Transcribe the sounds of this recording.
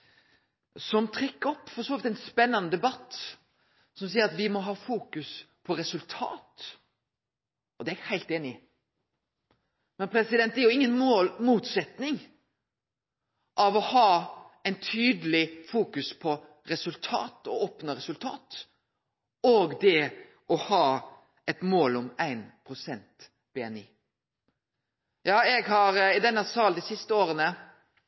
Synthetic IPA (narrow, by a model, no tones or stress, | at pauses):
sɔmt̪ʰɾɪkːəɔpːfɔɾsɔːʋɪt̪æɪnspɛnːənəd̪ɛbɑt̪ː | sɔmsiːəɾɑt̪ʋɪmɔɦɑːfuːkʉspʰɔɾɛsʉlt̪ʰɑ̰ːt̪ | ʔɔd̪ɛæhæɪlt̪eːnɪ | mɛnpʰɾɛsɪd̪ɛnt̪ɛɾjʊɪŋːənmomuːt̪sɛt̪nɪŋ | ʔɑʋɔhɑːæɪnt̪ʰyːd̪əlɪfuːkʉspʰɔ | ɾɛsʉlt̪ʰɑ̰ːt̪ɔ̰oːpnəɾɛsʉlt̪ʰɑ̰ːt̪ | oːɡd̪ɛ | ɔhɑː | ɛt̪moːlɔmæɪnpʰʁʊsɛnt̪ | b̥eːɛnɪ | jɑːɛɡɦɑɾɪd̪ɛnːəsɑːld̪ɪsɪst̪əoːɾənə